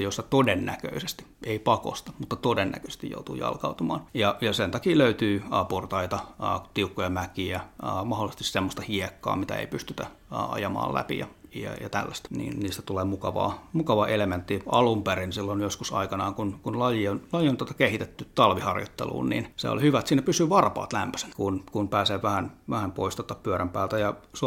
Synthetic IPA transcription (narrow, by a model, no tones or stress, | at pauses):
josːɑt̪odenːæ̰kø̰isest̪i̥ | ʔeipɑko̰st̪ɑ̥mut̪ːɑt̪odenːæ̰kø̥se̥st̪ijjo̰ut̪ṵːjɑ̰lkɑut̪umɑ̰ːnjɑjɑsent̪ɑkiːløyt̪yːɑport̪ɑit̪ɑt̪iukːojɑmækiæmɑholːˑsest̪issemːost̪ɑhiekːɑ̰ːmit̪æ̰ḛipyst̪yt̪æ | ʔɑ̰jɑmɑ̰ːlæ̰pḭjɑ̰jɑ̰jɑ̰t̪æ̰lːæst̪nḭːnniːst̪æ̥t̪uleːmukɑʋɑ̰ːmukɑʋɑʔelement̪ːiɑ̰lumperinsilːonjoskusɑ̰ikɑnɑːŋkunkunlɑjionlɑjiont̪ot̪ɑ̥kehit̪et̪ːyt̪ɑlʋihɑrjo̰t̪ːḛlṵːnnḭnsḛo̰lihyʋæt̪siːnːæpysyːʋɑrpɑ̰ːt̪læmpø̥se̥nkunkunpæːseːʋʋæhænʋæhæmpoist̪ot̪ːɑpyøɾæmpæːlt̪æjɑs